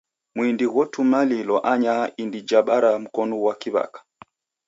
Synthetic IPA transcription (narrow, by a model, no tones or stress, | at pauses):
mwindiɣwɔtumalilɔʔaɲaindid͡ʒaɓaɾam̩kɔnuwakiβa̰kḁ